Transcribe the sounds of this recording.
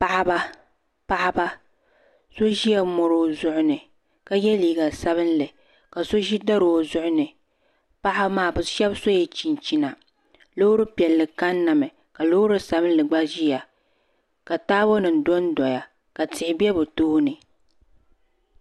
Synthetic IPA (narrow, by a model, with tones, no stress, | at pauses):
pa˦ʔa˦ba˦ | pa˦ʔa˦ba˦ | so˦ʒi˦ja˨mɔ˨ɾo˦zʊ˦ʔʊ˦nɨ˨ | ka˦jɛ˦liː˨ɡa˨sa˦βɨ˦n˦lɨ˨ | ka˨so˦ʒi˦da˦ɾo˨zʊ˦ʔʊ˦nɨ˨ | pa˦ʔa˦bmaː˦˨bɨ˨ʃɛ˦bso˦jɛ˨t͡ʃi˨n˨t͡ʃi˦na˨ | lo˦ɾɨ˦pi˨ɛ˨lːɨ˨ka˦nːa˨mɨ˨ | ka˨lo˦ɾɨ˦sa˦bɨ˦n˦lɨ˨ɡ͡ba˦ʒi˦ja˨ | ka˨taː˦bo˦nɨ˨n˨dɔ˦n˦dɔ˨ja˨ | ka˨tɪ˨hɪ˨bɛ˦bʊ˨toː˦hnɨ˨